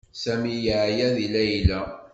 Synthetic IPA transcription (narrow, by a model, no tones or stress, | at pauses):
sæmijaʕjæðilæjlæ